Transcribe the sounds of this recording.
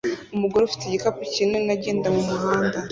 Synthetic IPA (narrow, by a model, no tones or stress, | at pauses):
umuɡoɾefi̥teɟikapucinenaɟe̞ːndamumuɦaːnda